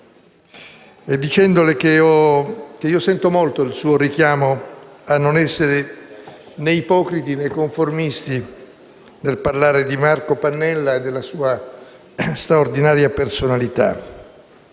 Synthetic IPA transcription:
ed̪ːit͡ʃɛnd̪olekeɔk̟eiosɛnt̪omolt̪oilsuːoɾikjaːmoanːonɛsːeɾe | neipɔːkɾit̪inekoɱformist̪i | nelparlaːɾed̪imarkopanːɛlːaed̪ːelːasuːa | st̪ɾaord̪inaːɾjapersonalit̪a̰

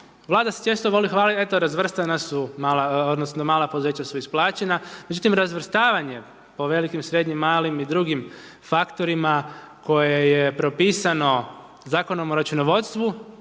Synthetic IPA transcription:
ʋlˠaːd̪ase̥t͡ʃest̪oʋo̞lixʋaːlie̞t̪oɾazʋr̩st̪anasumaːlaod̪nosnomaːlˠapo̞d̪uze̞ːt͡ɕasuisplˠaːt͡ɕe̞name̞d͡ʑut̪imɾazʋr̩st̪aːʋaɲe̞ | po̞ʋe̞likimsɾe̞d̪ɲimːaːlimid̪ɾuɡim | fakt̪o̞ɾimako̞jejepɾo̞piːsano̞ | zaːko̞nomoɾat͡ʃunoʋo̞t̪st̪ʋu

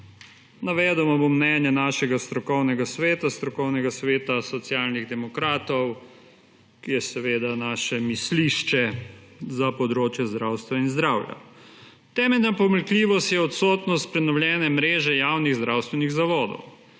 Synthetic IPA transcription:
naʋɛːd̪ɛmɔbomːnɛːnjɛnaːʃɛɡast̪ɾɔkɔwnɛɡasʋeːt̪ast̪ɾɔkɔwnɛɡasʋeːt̪asɔt̪sjaːlniɣd̪ɛmɔkɾaːt̪ɔw | kijɛsɛʋeːd̪anaːʃɛmisliʃt͡ʃɛzapɔd̪ɾoːt͡ʃjɛzd̪ɾawst̪ʋainzd̪ɾaːwja̰ | t̪ɛːmɛlʲnapɔməlkliːʋɔst̪jɛɔt̪sɔːt̪nɔst̪̚pɾɛnɔwljɛːnɛmɾeːʒɛjawniɣzd̪ɾaːwst̪ʋɛniɣzaʋɔːd̪ɔ̰w

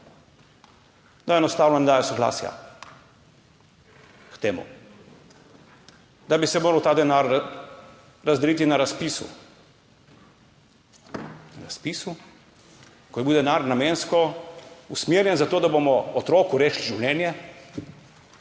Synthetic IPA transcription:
d̪aɛnɔst̪aːwnɔnɛd̪aːjɔsɔɡla̰ːsja̰ | kt̪eːmṵ | d̪abisɛmoːɾɐwt̪aːd̪ɛnaɾ | ɾazd̪ɛliːt̪inaɾaspisṵ | naɾaspiːsu | kɔjɛbiwd̪ɛnaɾnameːnskɔusmjeːɾjɛnzat̪oːd̪abomɔɔt̪ɾoːkuɾeːʃliʒiwlʲɛːnjɛ

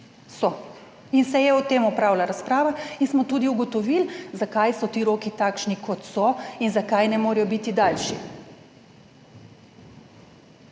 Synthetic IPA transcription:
sɔ | insɛjɛɔt̪eːmɔpɾaːwlaɾaspɾaːʋainsmɔt̪uːd̪iuɡɔt̪ɔʋilzakajsɔt̪iːɾoːkit̪akʃnikʰɔt̪sɔinzakajnɛmoːɾɛjɔbit̪id̪alʃḭ

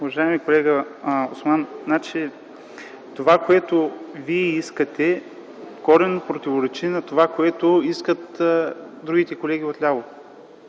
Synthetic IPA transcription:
uvɐʒaɛmikolɛɡəosmanznat͡ʃi | t̪ovakoɛt̪oviɛiskət̪ɛ | kɔɾɛnopɾot̪ivoɾɛt͡ʃinɐt̪ovakoɛt̪oiskət̪ | d̪ɾuɡ̟it̪ɛkolɛɡʲiot̪lʲavo

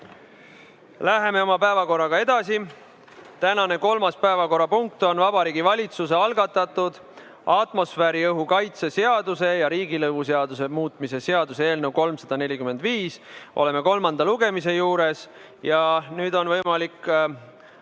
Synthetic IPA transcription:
læɦe̞me̞o̞mɑpæevɑko̞rːɑɡ̥ɑe̞d̪̥ɑsi | t̪ænɑne̞ko̞lmɑspæevɑko̞ɾɑpuŋk̚t̪o̞nvɑbɑɾiːɡivɑlʲit̪suse̞ɑlɡɑt̪ːˑɑt̪ːˑud̪̥ | ʔɑt̪mo̞sfeɾiɤɦukɑjt̪sese̞ɑd̪use̞jɑɾiːɡilɤvus̬eɑd̪us̬e̞muːt̪ˑmise̞se̞ɑd̪usee̞ːlnewko̞lmsɑd̪ɑne̞lʲikymend̪viːsʔo̞le̞me̞ko̞lmɑnd̪ɑluɡ̥e̞mis̬e̞juːɾe̞s | jɑnyːd̪o̞nvɤjmɑlikː

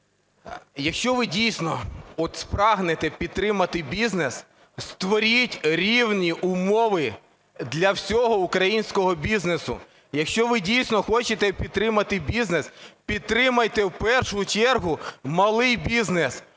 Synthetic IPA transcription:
jɐkʃt͡ʃɔʋɪdʲijsʲnɔɔt̪spɾɑɦnet̪ɛpʲid̪̚t̪ɾɪmɐt̪ɪbʲiznes | st̪ʋɔɾʲitʲɾʲiwnʲiʔʊmɔʋɪ | d̪lʲɐwsʲɔɦɔukɾɐjinʲsʲkɔɦɔbʲiznesʊ̰ | jɐkʃt͡ʃɔʋɪdʲijsʲnɔxɔt͡ʃet̪ɛpʲid̪̚t̪ːɾɪmɐt̪ɪbʲiznespʲid̪̚t̪ɾɪmɐjt̪ɛwpɛrʃʊt͡ʃɛrɦʊmɐlˠɪjbʲiznes

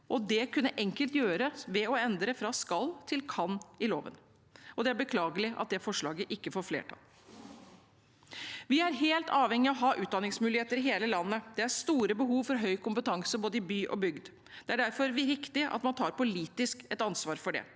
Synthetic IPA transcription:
ʔɔd̪ɛkʰʉnːəʔɛŋkəlt̪jøːɾəʋɛɔɛnd̪ɾəfɾɑskɑlt̪ʰɪlkʰɑnːɪloːʋə̰n | ɔd̪ɛæɾbəkʰlɑːɡəlɪʔɑ̰t̪̚d̪ɛfɔʂɭɑːɡəʔɪkːəfoːɾflḛːʈʰɑ̰l | ʋɪæɾɦeːlt̪ɑːʋhɛŋːɪɔɦɑːʔʉːt̪d̪ɑnɪŋsmʉːlɪheːt̪əɾɪɦeːləlɑnːəd̪̥ɛæɾst̪uːɾəbəɦuːʋfɔɾɦœʏkʰʊmpət̪ʰɑŋsəboːd̪əɪbyːʔɔ̰bʏɡd̪ | d̪ɛæɖæɾfɔɾʋɪʋɪkt̪ɪʔɑ̰t̪mɑnt̪ʰɑːɾpʊliːt̪ɪskɛt̪ɑnsʋɑːɾfɔɖɛ̰

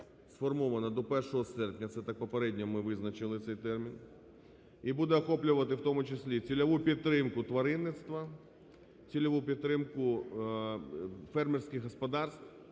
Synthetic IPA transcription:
sfɔrmɔʋɐnɐd̪ɔpɛrʃɔɦɔsɛrpnʲɐt̪sɛt̪ɑk̚pɔpeɾɛdʲnʲɔmɪʋɪznɐt͡ʃɪlˠɪt̪sɛjt̪ɛrmʲin | ibud̪ɛɐxɔplʲʊʋɐt̪ɪwt̪ɔmʊt͡ʃɪsʲlʲit͡sʲilʲɐʋupʲid̪t̪ːɾɪmkʊt̪ʋɐɾɪnːɪt̪st̪ʋɐ | t͡sʲilʲɐʋupʲid̪t̪ːɾɪmkʊ | fɛrmɛrsʲkʲɪɣːɔspɐd̪ɑrst̪

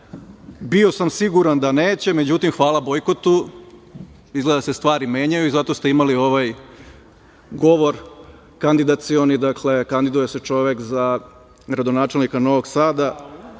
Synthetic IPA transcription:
bio̞samsiɡuɾand̪aneːt͡ɕe̞me̞d͡ʑut̪imxʋaːlˠabo̞jko̞t̪u | izɡle̞d̪ase̞st̪ʋaːɾime̞ːɲajuizat̪o̞st̪e̞imalio̞ʋaj | ɡo̞ʋo̞ɾ | kand̪id̪at̪sio̞nid̪akle̞kand̪id̪ujese̞t͡ʃo̞ʋekza | ɡɾad̪o̞naːt͡ʃe̞lnikano̞ʋoɡsaːd̪a

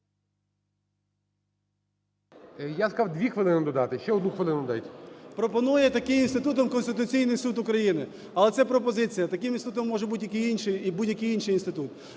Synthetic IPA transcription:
jaskɑwd̪ʲʋʲixʋɪlˠɪnɪd̪ɔd̪ɑt̪ɪʃt͡ʃɛɔd̪nuxʋɪlˠɪnʊd̪d̪ɑ̰tʲpɾɔpɔnujɛt̪ɐkɪminst̪ɪt̪ut̪ɔmkɔnst̪ɪt̪ʊt͡sʲijnɪjsut̪ʊkɾɐjinɪ | ɐlˠɛt̪sɛpɾɔpɔzɪt͡sʲijɐt̪ɐkɪminstut̪ɔmːɔʒɛbud̪ʲjɐkɪjinʲʃɪjibudʲjɐkɪjinʃɪjinst̪ɪt̪ut̪

